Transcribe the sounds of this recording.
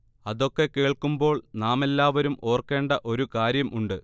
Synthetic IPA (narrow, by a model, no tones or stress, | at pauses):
ɐðo̞kːeke̞ːɭkumbo̞ːɭnaːme̞lːaːʋɐɾumo̞ːrke̞ːɳɖɐʔo̞ɾukaːɾjɐmʔuɳɖɨ